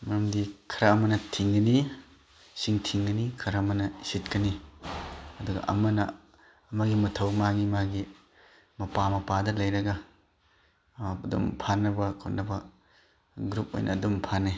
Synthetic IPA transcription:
mɐɾɐmdikʰɐɾɐːmɐnɐtʰiŋɡɐni | siŋtʰiŋɡɐnikʰɐɾɐmɐnɐsit̚kɐni | ɐduɡɐ̰ʔɐ̰mɐnɐː | mɐɡimɐtʰɐwmaɡimaɡi | mɐpamɐpadɐlɐjɾɐɡɐ | ɐdumpʰanɐbɐkʰotnɐbɐ | ɡɾup̚o̰jnʔɐ̰ːdumpʰane

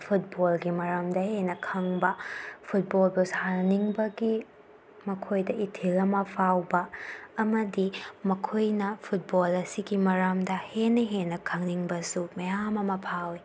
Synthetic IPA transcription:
pʰut̚bolɡimɐɾamdɐhenɐkʰɐŋbɐpʰut̚bolbushaniŋbɐɡi | mɐkʰojdɐʔitʰilɐmɐpʰawbɐːmɐdimɐkʰojnɐpʰut̚bolɐsiɡimɐɾamdɐhenːɐɦenːɐkʰɐŋniŋbɐsumɐjamɐmɐpʰawi

